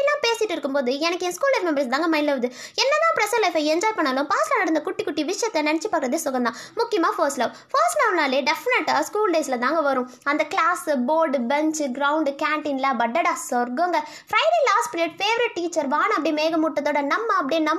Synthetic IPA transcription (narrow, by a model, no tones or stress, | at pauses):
lːãːpeːsɪʈːɯɪɾɯkːɯmpoːðɯɛnɐkːɯɛ̃ːskuːlːɐɪfmɛmbɐɾst̪aːŋɡɐmɐɪnlɐʋɐðɯɛnːɐd̪ãːpɾɐsɐlɐɪfɐɛɲd͡ʒɔːjpɐɳːaːlʊ̃paːslaːnɐɾɯnd̪ɐkʊʈːikːʊʈːiʋɪʂɐjɐt̪ːɛnɐnɛt͡ʃːipaːkɪɾɐðeːsʊɣɐnd̪ãːmʊkːɪjɐmaːfoːsʈlɐʋ | fɐːsʈlɐːʋnaːleːɖɛfɪnɛʈːaːskuːlɖeːsɪlɐt̪ãːŋɡɐʋɐɾʊ̃ | ɐnd̪ɐklaːsboːɾɖbɛɲt͡ʃɡɾɐʊɳɖkaːɳʈɪnlɐbɐɖːɐɽaːsɔɾɡoːŋɡɐ | fɾɐɪɖeːlaːsʈmɪnɪʈfeːʋɐɾɪʈ̚ːiːt͡ʃːɐɾʋaːɳ̃ɐp̬ːɐɽimeːɣɐmuʈːɐt̪ːoːɽɐnɐmːɐɐpːɐɽinɐm